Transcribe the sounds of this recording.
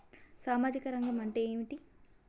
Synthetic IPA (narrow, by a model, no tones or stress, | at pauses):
saːmaːd͡ʒikɐɾɐŋɡɐmɐɳʈeeːmiʈi